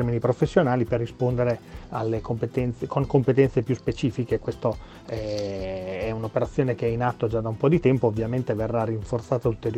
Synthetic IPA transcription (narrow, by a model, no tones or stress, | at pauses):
rminipɾofesːjonaːliperːispond̪eɾealːekompet̪ɛnt̪sekʰoŋkompet̪ɛnt̪sepjuspet͡ʃiːfikekwest̪o | ɛ | ɛunopeɾat̪sːjoːnekeɛinat̪ːod͡ʒad̪aumpɔd̪it̪ɛmpoːvːjament̪everːarːiɱfort̪saːt̪ault̪eɾj